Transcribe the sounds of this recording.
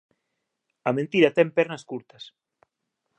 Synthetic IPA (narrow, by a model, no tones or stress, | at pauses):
ɐmẽnt̪iɾɐt̪ɛmpɛɾnɐskuɾt̪ɐs